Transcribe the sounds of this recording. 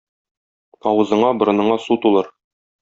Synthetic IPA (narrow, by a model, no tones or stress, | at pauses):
ɒwɤ̆zɤ̆ɴɑbŏɾɤ̆nɤ̆ɴɑsut̪ulˠɤɾ